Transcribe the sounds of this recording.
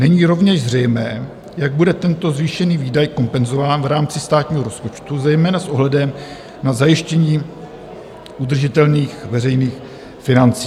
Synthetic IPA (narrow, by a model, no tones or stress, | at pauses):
nɛɲiːɾo̞vɲɛʒzrɛjmɛː | jaɡ̚budɛt̪ɛnt̪o̞zviːʃɛniːviːdajko̞mpɛnzo̞vaːnvɾaːmt͡sɪst̪aːt̪ɲiːɦo̞ɾo̞spo̞t͡ʃt̪uzɛjmɛːnasʔoɦlɛdɛm | nazajɪʃcɛɲiː | ʔud̪r̩ʒɪt̪ɛlniːxvɛrɛjniːx | fɪnant͡siː